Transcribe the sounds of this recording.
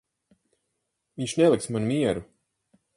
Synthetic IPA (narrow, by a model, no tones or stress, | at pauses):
viɲt͡ʃnɛlˠiksmanumiɛɾu